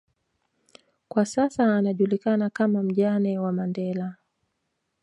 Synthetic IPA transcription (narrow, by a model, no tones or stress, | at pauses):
kwasasaːnaʄulikanakamam̩ʄanɛwamandɛla